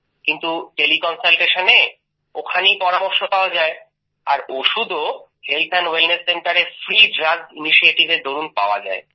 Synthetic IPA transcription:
kint̪uʈelikɔnsalʈeʃane | okʰanipɔɾamoɾʃopaoad͡ʑae | aɾoʃud̪ʱo | helt̪ʰanwelnesːeɳʈaɾefɾiɖɾaɡ̚tiniʃieʈibed̪oɾunpaoad͡ʑa̰e

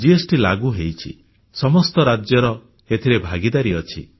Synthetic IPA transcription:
d͡ʒiesʈilaɡuɦejt͡ʃʰḭ | sɔmɔst̪ɔɾad͡ʒjɔɾɔ | et̪ʰiɾebʱaɡid̪aɾiɔt͡ʃʰḭ

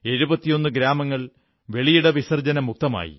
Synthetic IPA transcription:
e̞ɻubɐt̪ːijo̞nːɨɡɾaːmɐŋːɐɭ | ʋe̞ɭijuɽɐʋisɐrd͡ʑɐnɐmːuk̚t̪ɐma̰ːjḭ

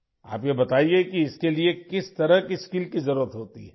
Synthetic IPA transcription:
a̰ːpjebɐt̪aːiekiɪskeliekɪst̪ɐɾəkiskiːlkizɐɾuːɾət̪ɦoːt̪ḭɦɛ

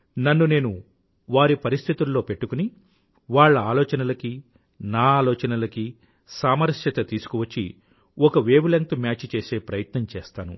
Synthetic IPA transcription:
nɐnːune̞ːnu | ʋaːɾipɐɾist̪ʰit̪ulːo̞ːpe̞ʈːukuni | ʋaːɭːɐaːlɔːt͡ʃɐnɐlɐki | naːaːlɔːt͡ʃɐnɐlɐki | saːmɐɾʂjɐt̪ɐt̪iːsu̥kuʋɐt͡ʃːḭ | ɔkɐʋeːʋlɐŋt̪umʲjaːt͡ʃːt͡ʃe̞ːse̞ːpɾɐjɐt̪nɐmt͡ʃeːst̪aːnṵ

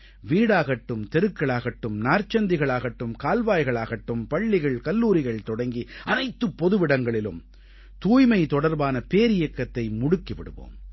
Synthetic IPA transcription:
ʋiːɽaːɣɐʈːɯmt̪ɛɾɯkːɐɭaːɣɐʈːɯmnaːɾt͡ʃːɐnd̪ɪɣɐɭaːɣɐʈːɯmkaːlʋaːjɣɐɭaːɣɐʈːɯmpɐɭːɪɣɐɭkɐlːuːɾɪɣɐɭt̪ɔɽɐŋɡiɐnɐɪt̪ːɯpːɔðɯʋɪɽɐŋɡɐɭɪlɯ̰m | t̪uːjmɐɪt̪ɔɽɐɾbaːnɐpeːɾɪjɐkːɐt̪ːɐɪmʊɽɯkːiʋɪɽɯ̰ʋo̰ːm

